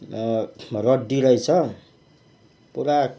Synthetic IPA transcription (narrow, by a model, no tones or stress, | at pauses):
rʌdiɾʌjt͡sʰʌ | puɾa